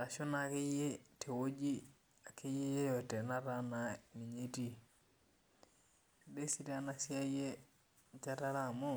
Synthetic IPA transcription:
ɾa˨ʃu˦na˨ke˦je˦tʰe˨wo˦d͡ʒi˦ | a˨kːi˦je˦je˦jo˨te˨na˦ɾa˦na˨ni˨ɲe˦ti˦˨ | de˦si˦ta˦na˦si˦a˦je˦ | t͡ʃa˦ta˦ɾa˦˨mo˦

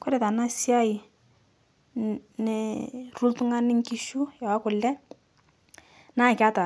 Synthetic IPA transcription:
kwɛ˦ɾɛ˨ta˨na˦sja˦i˨ | nɪ˨ru˦ltu˦ŋa˦nɪ˦ŋ˦ki˦ʃu˦ja˨wa˦kʊ˨lɛ˦ | na˦˨ka˦ta˨

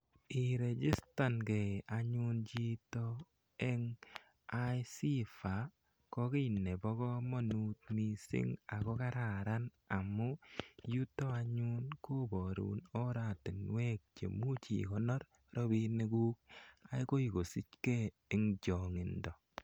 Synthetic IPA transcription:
i˨ɾe˨d͡ʒi˦sta˨nke˨a˨ɲu˦nt͡ʃi˦to˦ | ɛ˦ŋ | a˦jsi˦fa˨ | kɔ˦kɪ˦˨nːe˨bɔ˦kɔ˦mo˦nu˨t̚mi˦sḭ˦ŋa˨kɔ˦ka˦ɾa˨ɾa˦n | a˨mʊ˦ju˦to˦a˦ɲu˦nko˦bɔ˨ɾṵ˨no˦ɾa˨ti˨nwe˦k̚t͡ʃḛ˨mu˦t͡ʃḭ˨kɔ˦nɔ˦ɾ | ɾɔ˦bi˦ne˦ɡu˦ka˨˦i˦ko˦i˨ɡo˨si˦t͡ʃke˦ | ɪ˨ŋd͡ʒɔ˨ŋɪ˨ndɔ˨

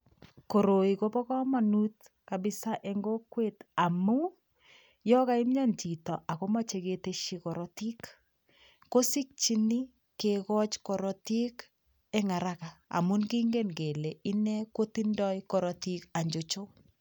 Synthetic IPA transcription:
ko˨ɾo˨i˨ko˦pɔ˦kɔ˦ma˨nu˦t | ka˨bɪ˦sa˦ʔɛ˦ŋɡo˦kwe˦ta˨mu˦ | jɔ˦ka˦i˦mɲa˦nt͡ʃi˨tɔ˨ʔa˨ko˦ma˦t͡ʃe˨keteʃi˨kɔ˨ɾɔ˦ti˦kː | o˦si˦k̚t͡ʃi˦ni˦ | kekɔ˦t͡ʃkɔ˨ɾɔ˨ti˦k | ɛ˦ŋa˨ɾa˦ka˨a̰˨mu˦nki˦ŋɡe˦nɡe˨le˨ɪ˦nɛ˦ko˦ti˦ndɔ˦jkɔ˨ɾɔ˨ti˦ka˨ɲd͡ʒo˨t͡ʃo˦

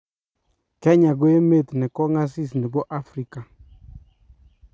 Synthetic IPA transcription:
kɛ˦ɲa˨ɡo˦e˦me˦˨t̪nɛ˨kɔ˦ŋa˦s̬i˦˨s̬nɛ˨bɔ˦ʔa˦fɾi˦ka˨

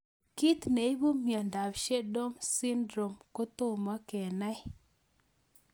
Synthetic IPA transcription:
ki˦t̪ne˨i˦bu˦mjɔ˨nda˨bʃe˦do˦msi˦ndɾo˨mko˦t̪o˦˨ma˦kɛ˨na˦j

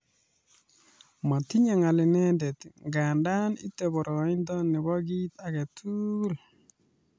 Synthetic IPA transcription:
ma˨ti˦ɲa˨ŋa˨lɪ˨nɛ˦ndɛ˨t̪ŋɡa˨nda˦ni˦tːɛ˨bɔ˨ɾʔɔ˨˦ɪ˦ndɔ˦nɛ˨ɡɔ˦ɡi˦t̪a˨ɡe˨tʰu˦l

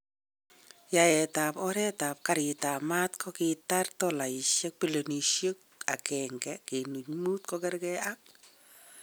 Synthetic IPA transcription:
ja˨ɛ˨ta˨pɔ˦ɾɛ˦ta˨p̚kaɾɪ˨ta˨ma˦tkʰɔ˦kɪta˦rtɔla˨i˨ʃjɛ˦k̚pi˦lo˨ni˨ʃjo˦k̚ | a˨kɛŋɡɛke˨nu˨ɲmu˦t̚kɔkɛɾkɛak̚

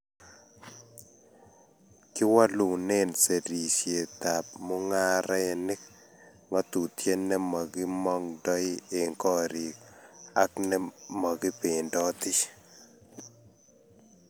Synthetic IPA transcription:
kɪ˦wa˦lu˨nɛ˦nse˨ɾi˨sje˨t̪a˨p̚mo˦ŋa˦ɾɛ˦ɛ˨ni˦k̚ | ŋɔ˦t̪u˨t̪je˦nːɛ˦ma˨ɡɪ˦mɔ˦ŋdɔ˦ɪ˦e˨ŋkɔ˦ɾi˨ka˦knɛ˦ma˨ɡi˦pe˨ndɔ˦t̪ɪ˦

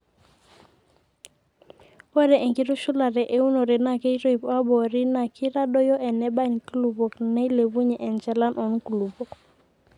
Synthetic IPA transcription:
ɔ˦ɾɛ˨ʔɛ˨ŋki˦ɾu˦ʃu˦la˨ɾɛ˨ʔe˦u˦nɔ˨ɾɛ˨na˨kɛ˦i˦ɾɔ˦i˨pa˦bɔ˨ɾi˦na˨kʰi˦ɾa˦ɗɔ˦jɔ˦ʔɛ˨nɛ˦ba˦˨ɲku˦lu˨bɔ˨knɛ˦le˨βu˦ɲɛ˨ʔɛ˨nt͡ʃɛ˨la˦nʔɔ˨nku˨lu˨bɔ˨k

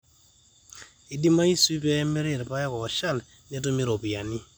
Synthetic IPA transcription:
i˨di˦ma˦i˦si˦pɛ˦mɪ˦ɾɪ˦˨ɾpa˦jɔ˦kɔ˨ɔ˨ʃa˦˨l | nɛ˦to˦mi˦ɾo˨pi˨a˨ni˦

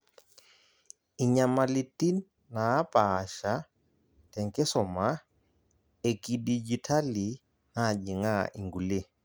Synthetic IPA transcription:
i˨ɲama˨li˨tʼi˦n | naː˨˦pʼa˨ʃa˦ | tɛ˨ŋkʼɛ˦sɔ˨ma˦ | e˨kʼidi˨d͡ʒi˨tʰa˦li˨ | na˦˨d͡ʒi˨ŋa̰˦ʔḭ˨ŋɡu˨le˦˨

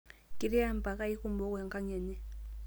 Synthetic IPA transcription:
kʼi˨ɾi˦a˦m̩˦˨pa˨ka˦i˦ku˦mbɔ˦kʊ˦a˨ŋ˨ka˦ŋɛ˨nɛ˦

